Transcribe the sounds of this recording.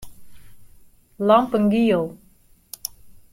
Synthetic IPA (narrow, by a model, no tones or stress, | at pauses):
lɔŋpəŋɡiol